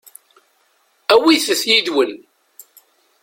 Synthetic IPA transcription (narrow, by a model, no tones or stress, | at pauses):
æwiθəθjid̪wən